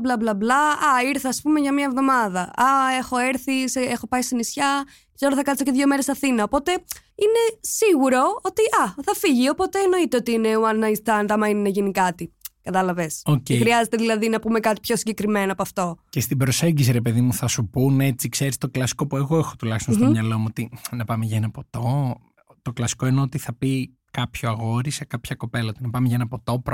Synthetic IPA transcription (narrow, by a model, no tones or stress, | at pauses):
blɐblɐblɐɐiɾθɐːspume̞ʝɐmɲɐevðo̞mɐðɐɐe̞xo̞e̞ɾθiseexo̞pɐist̪inisçɐ | kz̥eɾoθɐkɐt͡s̪oceðʝo̞me̞ɾesɐθinɐo̞po̞t̪e̞ | ine̞siɣuɾo̞ot̪iʔɐθɐfiʝio̞po̞t̪e̞ːno̞it̪e̞o̞t̪iine̞uɐnːɐist̪ɐnt̪ɐmɐininɐʝinikɐt̪ikɐt̪ɐlɐve̞socexɾiɐze̞t̪e̞ðilɐðinɐpume̞kɐt̪i̥pço̞siɲɟekɾime̞noɐpoɐft̪o̞cest̪ibɾo̞se̞ɲɟisiɾepe̞ðimuθɐsupune̞t͡sikseɾist̪o̞klɐsi̥ko̞pue̞ɣo̞exo̥t̪ulɐçist̪onst̪omɲɐlo̞muot̪inɐpɐmeʝɐenɐpo̞t̪o̞ | t̪o̞klɐsi̥ko̞ineot̪iθɐpi | kɐpçoɐɣo̞ɾisekɐpçɐko̞pe̞lɐot̪inɐpɐmeʝɐenɐpo̞t̪o̞pɾ